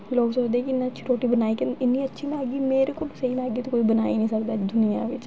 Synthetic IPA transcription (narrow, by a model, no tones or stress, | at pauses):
loːksoːd͡ʒd̪eːkɪɪnːãːʃʰiːɾoːʈiːbənaːiːkənɪnːĩːətːʃʰiːlaːɡiːmeːɾeːkoːlsəiːlaːɡiːt̪okoːiːbəna̰ːiːnĩːsəkd̪aːd̪ʊnɪã̰ːʋɪt͡ʃ